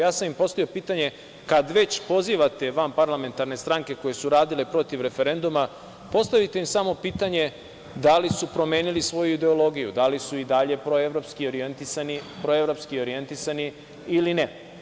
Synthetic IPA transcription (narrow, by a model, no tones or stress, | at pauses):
jaːsamimpo̞st̪ojopiːt̪aɲe̞ | kad̪ʋe̞t͡ɕpo̞ziʋat̪e̞ʋampaɾlame̞nt̪aɾne̞st̪ɾaŋke̞ko̞jesuɾaːd̪ile̞pɾo̞t̪iʋɾe̞fe̞ɾe̞nd̪uma | po̞st̪aʋit̪e̞imsamo̞piːt̪aɲe̞ | d̪alisupɾo̞mjeːnilisʋo̞juid̪e̞o̞lo̞ɡijud̪alisuid̪aʎe̞pɾoeʋɾo̞pskio̞ɾijent̪isanipɾo̞e̞ʋɾo̞pskio̞ɾije̞nt̪isani | iline